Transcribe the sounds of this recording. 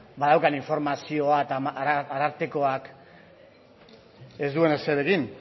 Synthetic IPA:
baðawkaniɱfo̞ɾmasio̞aet̪aaɾaɾt̪eko̞ak | e̞zd̪ue̞ne̞seɾeɣin

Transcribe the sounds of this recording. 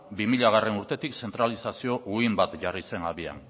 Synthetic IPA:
bimiʎaɣ̞are̞nuɾt̪e̞t̪ikse̞nt̪ɾalisasio̞ʔuimbat̪ʝarise̞naβia̰n

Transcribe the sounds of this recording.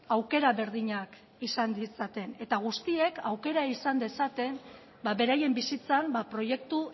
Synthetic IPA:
awke̞ɾaβe̞ɾðiɲak | isand̪isat̪e̞ne̞t̪aɣ̞ust̪ie̞kawke̞ɾaisand̪e̞sat̪e̞m | baβe̞ɾaje̞mbisit͡sambapɾo̞je̞k̚t̪u

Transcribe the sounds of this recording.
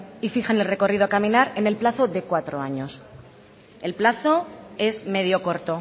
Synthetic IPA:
ifiχane̞lre̞ko̞rið̞o̞akamĩnaɾe̞ne̞lplaθo̞ðe̞kwat̪ɾo̞aɲo̞s | e̞lplaθo̞e̞zme̞ðjo̞ko̞ɾt̪o̞

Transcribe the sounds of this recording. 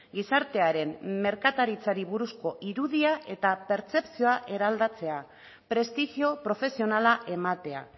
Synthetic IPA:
ɡisaɾt̪e̞aɾe̞mme̞ɾkat̪aɾit͡saɾiβuɾusko̞ʔiɾuðiaʔe̞t̪ape̞ɾt͡se̞psio̞aʔe̞ɾald̪at͡se̞a | pɾe̞st̪ixio̞pɾo̞fe̞sio̞nalaʔe̞mat̪e̞a̰

